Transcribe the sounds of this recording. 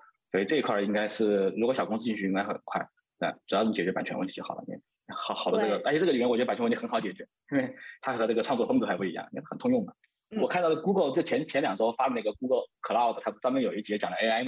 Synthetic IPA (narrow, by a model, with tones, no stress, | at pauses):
swɔ˥i˧ʈ͡ʂɤ˥˩i˧˥kʰwɐ˥˩i˥ŋka˥ɪʂɻ̩˥˩ɻkwɔ˧˥ɕɑ˨˩kʊ˥ŋsɹ̩˥t͡ɕi˥˩˥ɕy˥˧i˥ŋka˥ɪxə̰˨˩nkʰwa˥˩ɪ | na̰˥˩ʈ͡ʂu˨˩j̪t͡ɕjɛ˨˩ɥɛ˧˥pa˨˩nt͡ɕʰɥɛ˥wə˥˩t̪ʰi˧˥˩xɑ˨˩ʊlə̰˦˥n̰˥˩˧ | xɑ˨˩ʊxɑ˨˩də˦ʈ͡ʂɤ˥˩ɡə˩t̪a˥˧˩ɕʈ͡ʂə˨i˨˩˧wt͡ɕa˨˩t͡ɕ̪ʰːnxɑ˧˥ʊt͡ɕjɛ˨˩t͡ɕɥɛ˧˥ | i˥nwe˥˩ɪt̪ʰa˥xɤ˧˥ʈ͡ʂɤ˥˩ɡə˩ɑ˥˧ŋt͡swɔ˥˩ft̪u˧˩xa˧˥ɪpu˥˩i˧˥ɑ̰˥˩ŋ˥xə˨˩nt̪ʰʊ˥ŋjʊ˥˩ŋɐ˩ | wɔ˨˩a˥˧nt̪ɑ˥˩ʊlə˩ku˥ɡə˥˧lʈ͡ʂ̩˥˩t͡ɕʰjɛ˧˥nt͡ɕʰjɛ˧˥nljɑ˨˩ŋ˩ʈ͡ʂɻ̩˥xo˥˧ʊfa˥lna˥˩ə˩ku˥ɡə˥˩kʰɤ˨˩la˥˩ə˨˩t̪ʰt͡sa˥mə˥njo˨˩ʊi˥˩t͡ɕi˧˥jɛ˥˩t͡ɕjɑ˨˩ŋd̪ə˧ʔe˥a˥ɪm˩